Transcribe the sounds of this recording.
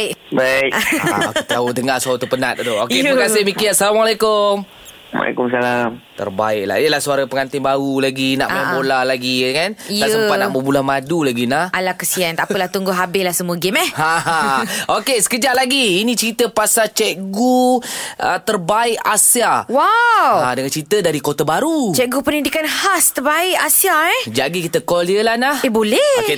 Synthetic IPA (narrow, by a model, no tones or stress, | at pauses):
baɪʔket̪audəŋasuaut̪əpənat̪̚doʔokeəməkasɪhmikiasalamalakʊm | wa̰la̰kʊmsalamt̪ə̰rba̰ɪʔ̚la̰iəlahsuaɾapəŋant̪ɪŋbaulaɡina̰ʔaabolahlaɡiəkanasəmpanaʔbəbulahmadulaɡinaalakəsiant̪aəlaht̪uŋɡʊɦabɪlahsəmuəɡɪmɛhhaɦãokesə̥kəd͡ʒaʔlaɡiːnĩt͡ʃəɾit̪əpasat͡ʃɛʔɡu | ət̪ərbaɪʔasiawawadəŋant͡ʃɾit̪ədaɾikot̪abaɾut͡ʃɛʔɡupənĩndikanhast̪ərbaɪʔasiaɛd͡ʒaɡikit̪əkɔliəlahnahebolɛke